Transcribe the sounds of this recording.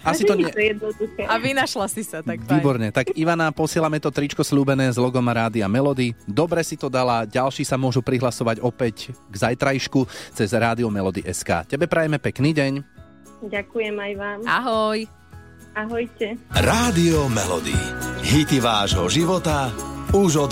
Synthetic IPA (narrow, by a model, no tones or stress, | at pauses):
asit̪ɔɛt̪jɛd̪nɔd̪uxɛaʋinaʃlasisat̪akʋiːbɔɾɲɛt̪akiʋanapɔsɪɛlamɛt̪ɔt̪ɾit͡ʃkɔsluːbɛnɛːzlɔɡɔmaɾaːd̪iamɛlɔd̪id̪ɔbɾɛsit̪ɔd̪alaɟalʃiːsamʊɔʒupɾiɦlasɔʋaɟɔpɛcɡzajt̪ɾajiʃkut͡sɛzɾaːd̪iɔmɛlɔd̪iʔɛska̰ːcɛbɛpɾɛjɛmɛpɛkniːɟɛɲ | ɟakujɛmajʋaːmʔaɦɔj | aɦɔjcɛɾaːd̪iɔmɛlɔ̰d̪ḭɦit̪iʋaːʒɦɔʒiʋɔt̪auʒɔd̪